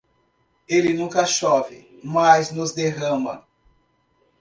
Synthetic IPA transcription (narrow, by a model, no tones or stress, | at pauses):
elɪnũkɐʃɔvɪmaznʊzd̪eɦɐ̃mɐ̰